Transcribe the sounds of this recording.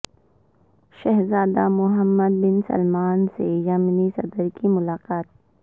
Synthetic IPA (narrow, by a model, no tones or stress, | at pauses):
ʃeɦzaːd̪amʊɦəmːəd̪̚bɪnsɐ̰lmaːnsejamnisɐd̪əɾkimʊlaːqaːt̪̚